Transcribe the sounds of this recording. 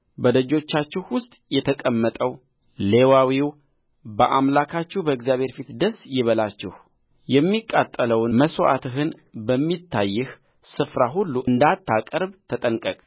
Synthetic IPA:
bəd̪əd͡ʒo̞t͡ʃːat͡ʃːɪhwʊst̪ʼjɛt̪ʰəkʼəmːət̪ʼəw | le̞wawiw | bəʔamlakʰat͡ʃːɪhbəɪɡzjaβhe̞ɾfit̪d̪əsjɪβəlat͡ʃːɪh | jɛmːikʼːat̪ʼːələwnməsoʔa̰t̪ɨɦɨn | bəmːit̪ʰːajːɪh | sɨfɾaɦulːuʔɨnd̪at̪ːakʼəɾbt̪ʰət̪ʼənkʼəkʼ

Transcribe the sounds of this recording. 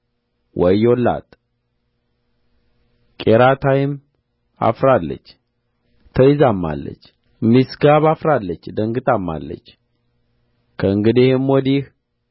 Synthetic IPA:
wʔɔjolːa̰t̪ʼ | kʼeɾat̪ʰajɪm | a̰fɾalːə̰t͡ʃː | t̪ʰəjɪzamːa̰lːə̰t͡ʃː | misɡaβafɾalːət͡ʃːd̪əŋɡɨt̪ʼamːa̰lːə̰t͡ʃː | kʰəɨŋɡɨd̪ihɨmwɔd̪ih

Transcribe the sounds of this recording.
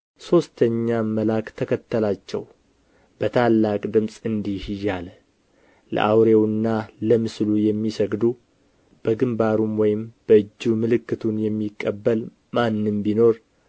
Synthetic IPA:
so̞st̪ʰəɲːaməlakt̪ʰəkʰət̪ːəlat͡ʃːɛ̰w | b̥ət̪ʰalːakʼd̪ɨmsʼɨnd̪ihjːalə | lə̰ʔawɾewɨnːaləmɨslujɛmːisəɡd̪u | b̥əɡɨmbaɾumwɔjɪmb̥əɨd͡ʒːumɨlɨkːɨt̪ʰunjɛmːikʼːəbːəl | manːɨmbino̞ɾ

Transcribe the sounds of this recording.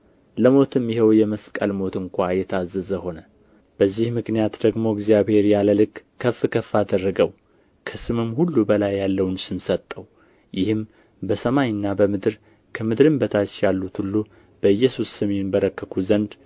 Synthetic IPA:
ləmo̞t̪ʰɨmjɪhɛwjɛməskʼəlmo̞t̪ɨŋkʷajɛt̪ʰazːəzəho̞nə | b̥əzːihmɨknijat̪d̪əɡmo̞ɪɡzijabhe̞ɾjaləlɨkkʰːəfɨkʰəfːad̪ərːəɡəw | kʰəsɨmɨmhulːubəlajːalːəwnsɨmsət̪ʼːəw | jɪhɨm | bəsəmaɲɨnːabəmɨd̪ɨɾ | kʰəmɨd̪ɾɨmbət̪ʰat͡ʃjalːut̪hulːu | b̥əɨjːɛsusːəme̞nbəɾəkːəkʰuzənd̪

